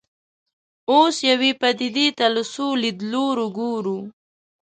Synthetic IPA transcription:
osjawipad̪id̪it̪aləsolid̪loɾuɡuɾu

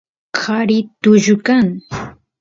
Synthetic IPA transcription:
kʰaɾɪt̪ʊʒʊkaŋ

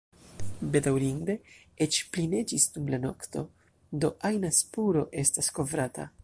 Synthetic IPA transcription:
be̞dawɾind̪e̞ | et͡ʃpline̞d͡ʒisdumlano̞kt̪o̞ | do̞ʔajnaspuɾo̞ʔe̞stasko̞vɾatʰa̰

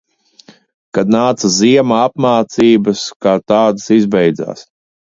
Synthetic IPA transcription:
kad̪naːt̪sɐziɛmaapmaːt̪siːbɐskaːt̪aːd̪əsizbɛjd̪za̰ːs

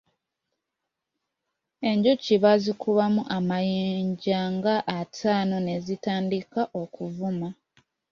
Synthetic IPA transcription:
e̞ɲɟuciβazikʰuβamuʔamajeːɲɟaŋɡaʔːtʰaːno̞ne̞zitaːndikaʔo̞kuvuma

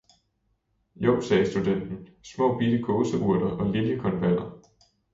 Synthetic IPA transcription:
jɔ̽ʊ̰̥sɛːsd̥ud̥en̰d̥n̩smɔ̰̽ːb̥id̥əkʰɔ̽ːsəʔuɐ̰ɾ̥ɐʔɒ̽liljəkʰɒ̽nb̥æn̰ɐ

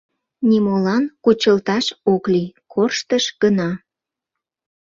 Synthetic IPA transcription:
nimolɑnkut͡ɕəlt̪ɑʃoklikʰorʃt̪əʃɡ̥ənɑ

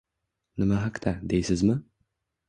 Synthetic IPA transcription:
nɪmaɦaqt̪ad̪ejsɪzmɪ

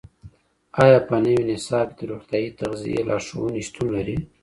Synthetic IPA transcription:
ɑjɑpənəwinɪsɑbd̪əɾoxt̪jɑit̪aɣzḭjḛlʔɑ̰ʂo̰wənist̪unlaɾi

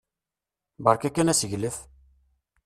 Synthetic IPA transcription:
bəɾˤkækːænæsəʝləθ

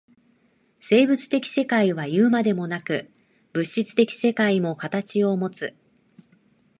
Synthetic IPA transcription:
se̞ːbɯ̟t͡sɨ̥t̪e̞kʲi̥se̞kaiβ̞ajɯ̟ːmad̪e̞mo̞nakɯ̟ | b̥ɯ̟ɕːit͡sɨ̥t̪e̞kʲi̥se̞kaimo̞kat̪at͡ɕio̞mo̞t͡sɨ

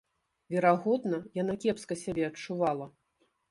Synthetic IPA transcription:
vʲɛɾaɣɔd̪nɐjanakʲɛpskɐsʲabʲɛɐt͡ʂuvalˠɐ

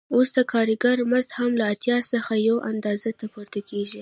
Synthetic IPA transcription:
osd̪əkʰɑɾiɡaɾmazt̪hamlaːt̪jɑsəxajawʔand̪ɑzat̪apoɾt̪akeʒi

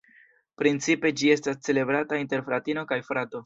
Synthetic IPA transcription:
pɾint͡sipe̞d͡ʒie̞stast͡se̞le̞bɾatainte̞ɾfɾatino̞kajfɾato̞

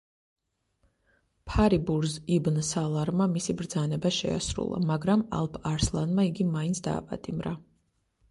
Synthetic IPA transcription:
pʰaɾibuɾzibnsalˠaɾmamisibɾd̪zanɛbaʃɛ̰a̰sɾṵlˠa̰maɡɾama̰lˠpʰaɾslˠanmaiɡimaint̪sʰd̪a̰ːpʼa̰t̪ʼimɾa

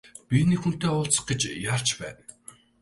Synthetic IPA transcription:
pʲinekxun̥t̪eːʊːɬt͡sə̆χɡet͡ɕjar̥t͡ɕpæ̰ːn

